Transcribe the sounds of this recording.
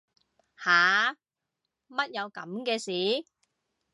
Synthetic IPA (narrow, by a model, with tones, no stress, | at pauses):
haː˨˦ | mɐ˥t̚jɐ˨˧wkɐ˨˥mkɛː˧siː˨˥